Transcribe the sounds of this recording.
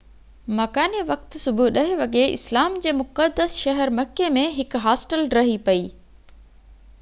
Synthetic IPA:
mɐkaːniʋɐk̚t̪sʊbʱʊɗɐɦɪʋɐɠeʔɪ̰slaːmd͡ʑeːmʊkəd̪ːəsʃɐɦəɾmɐkːemẽɦɪkɦaːsʈəlɾɐɦipɐiː

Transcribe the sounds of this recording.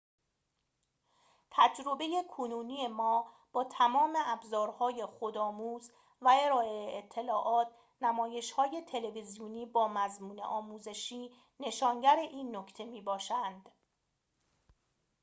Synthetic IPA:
t̪ʰæd͡ʒɾo̞beje̞kʰonuːniːe̞mɒː | b̥ɒːt̪ʰæmɒːme̞æbzɒːɾhɒːje̞xod̪ɒːmuːz | væe̞ɾɒːe̞eet̪ʰːe̞lɒːʔɒːt̪̚ʰ | næmɒːje̞ʃhɒːje̞t̪ʰe̞le̞vizijuniːbɒːmæzmuːnḛʔɒːmuːze̞ʃiː | ne̞ʃɒːŋɟæɾe̞ʔiːnːocʰt̪ʰe̞miːbɒːʃænd̪̥

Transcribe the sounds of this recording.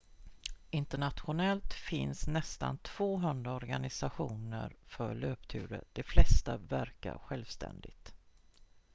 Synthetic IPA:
ɪnt̪əɳat̪ɧʊnɛlt̪fɪnsnɛst̪ant̪ʰv̥oːɦɵnd̪ɾaɔɾɡanɪsaɧuːnəɾfœɭøːpt̪ʰʉ̟ːɾəd̪̥ɛflɛst̪avæɾka̰ɾɧɛlvst̪ʰɛ̰nd̪ɪt̪

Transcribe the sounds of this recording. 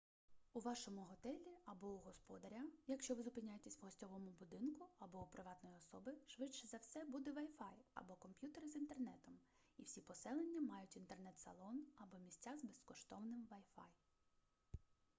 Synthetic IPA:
ʊʋɑʃɔmʊɦɔt̪ɛlʲiɐbɔuɦɔspɔd̪ɐɾʲajɐkʃt͡ʃɔʋɪzʊpɪnʲajet̪esʲwɦɔsʲtʲɔʋɔmʊbʊd̪ɪnkʊɐbɔupɾɪʋɑt̪nɔjiɔsɔbɪʃʋɪt͡ʃɛzɐwsɛbud̪ɛʋɐjfɑjɐ̰bɔkɔmpʲjut̪eɾɪzint̪ernɛt̪ɔm | iwsʲipɔsɛlˠenʲːɐmɑjʊtʲint̪ernɛt̪sɐ̰lˠɔnɐbɔmʲisʲtʲːazbeskɔʃt̪ɔwnɪmʋɐjfɑ̰j

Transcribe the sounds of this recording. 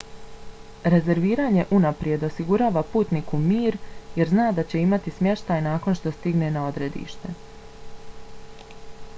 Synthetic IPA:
ɾe̞ze̞ɾʋiːɾaːɲe̞ʔunapɾje̞d̪o̞siɡuɾaːʋapuːt̪nikumiːɾje̞ɾznaːd̪at͡ɕe̞imat̪ismje̞ʃt̪ajnaːko̞nʃt̪ost̪iɡne̞nao̞d̪ɾe̞d̪ḭːʃt̪e̞

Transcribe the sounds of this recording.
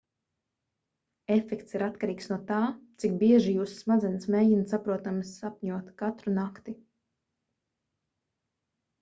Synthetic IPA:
efɛkt̪siɾat̪kaɾiːksnuɔt̪aːt̪sik̚biɛʒijuːssmad̪zɛnsmeːjinsapɾuɔt̪amsapɲuɔt̪kat̪ɾunakt̪i

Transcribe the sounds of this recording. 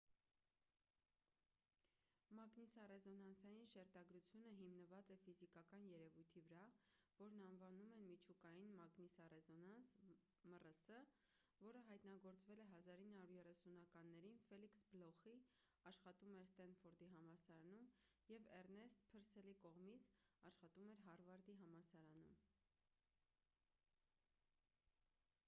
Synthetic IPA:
mɑɡnisɑrɛzɔnɑnsɑjinʃɛɾt̪ɑɡɾut͡sʰjunəɦimnəvɑt͡sɛfizikɑkɑnjɛɾɛvujt̪ʰivəɾɑvɔɾnɑnvɑnumɛnmit͡ʃʰukɑjinmɑɡnisɑrɛzɔnɑns | mərəsə | vɔɾəɦɑjt̪nɑɡɔɾt͡svɛlɛɦɑzɑɾinːhɑuɾjɛrɛsunɑkɑnːɛɾinfɛliksblɔχi | ɑʃχɑt̪umɛɾst̪ɑnfɔɾd̪iɦɑmɑsɑɾɑnumjɛvɛɾnɛst̪pʰəɾsɛlikɔʁmit͡sʰɑʃχɑt̪umɛɾɦɑrvɑɾd̪iɦɑmɑsɑɾɑnum

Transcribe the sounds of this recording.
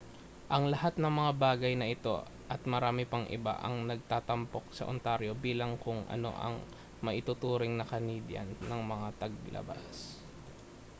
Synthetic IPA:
ʔɐŋlɐhat̪̚nɐŋmɐŋabaːɡɐjnɐʔɪt̪o̞̰ | ʔɐt̪̚mɐɾaːmɪpɐŋʔɪ̰ba̰ʔɐ̰ŋnɐɡ̚t̪aːt̪ɐmpo̞k̚sɐ̰ʔʊnt̪aɾjo̞biːlɐŋkʊŋʔɐ̰no̞̰ʔɐ̰ŋ | mɐʔɪt̪ʊt̪uːɾɪŋnɐkɐniːd̪jɐ̰nːɐŋmɐŋat̪ɐɡ̚bɪlʔɐ̰ba̰s

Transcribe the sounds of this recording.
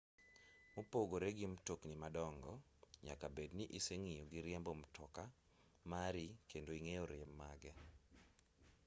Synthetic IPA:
mopoɡoɾeɡimtoknimadɔŋɡɔ | ɲa̰kabedniʔiseŋijoɡiɾɪɛmbomtʰɔka | maɾikendoiŋejɔɾɪɛmːaɡɛ

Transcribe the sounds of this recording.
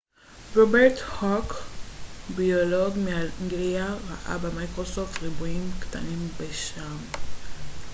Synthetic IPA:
ʁobeʁthok | bioloɡmeaŋɡliaʁa̰ʔa̰bemajkʁosoft̪ʁibuimkta̰nimbeʃam

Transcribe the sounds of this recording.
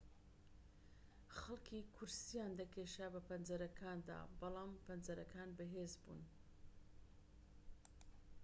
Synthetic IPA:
xɐlˠkʰikʰʊɾsijaːnd̪ɐkʰeːʃabɐpʰɐnzɐɾɐkʰaːnd̪a̰ːbɑlˠaːmpɐnzɐɾɐkʰaːnbɐɦezbṵːn

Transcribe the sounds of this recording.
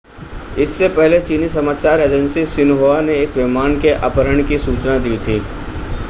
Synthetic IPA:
ɪsːepɛɦlet͡ʃiːnisɐmaːt͡ʃaːɾeːd͡ʒə̃nsisɪnɦoːaneeːkʋɪmaːnkeʔa̰ːpəɾəɽ̃kisuːt͡ʃnad̪iːt̪ʰiː

